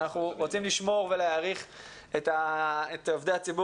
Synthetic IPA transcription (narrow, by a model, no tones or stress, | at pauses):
aχuʁot͡simliʃmo̞ʁveleaʁiχ | et̪aet̪ovd̪eat͡sibu